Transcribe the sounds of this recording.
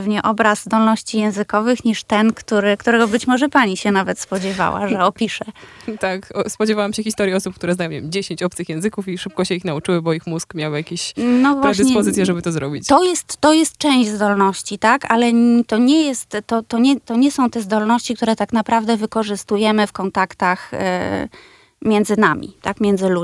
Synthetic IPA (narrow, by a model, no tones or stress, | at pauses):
vɲɛʔɔbɾazzd̪ɔlnɔɕt͡ɕijɛ̃w̃zɘkɔvɘxɲiʂt̪ɛnkt̪uɾɘkt̪uɾɛɡɔbɘt͡ɕmɔʐɛpaɲiɕɛnavɛt̪spɔd͡ʑɛva̰wʔa̰ʐɛɔpʲiʂɛt̪akɔspɔd͡ʑɛvawamɕɛxʲist̪ɔɾjiɔsup̚k̚t̪uɾɛznajɔ̃mɲevʲjʲemd͡ʑeɕeɲt͡ɕɔp̚t̪sɨxjɛ̃w̃zɘkufiʂɘp̚kɔɕɛixnaut͡ʂɘwɘbɔixmuskmʲjawjakʲeɕnɔvwaɾɛɕd̪ɨɲsɛpɔzɘt̪jɛʐɛbɘt̪ɔzɾɔbʲit͡ɕt̪ɔjɛst̪ːɔjɛst̪̚t͡ʂɛ̃w̃ʑd͡ʑzd̪ɔlnɔɕt͡ɕit̪akalɛt̪ɔɲɛjɛst̪ːɔt̪ɔɲɛt̪ɔɲɛsɔ̃w̃t̪ɛzd̪ɔlnɔɕt͡ɕikt̪uɾɛt̪aknapɾavd̪ɛvɘkɔʐɘst̪ujɛmɘfkɔnt̪akt̪ax | mʲjɛnd̪zɘnamʲḭt̪akmʲjɛnd̪zɘlu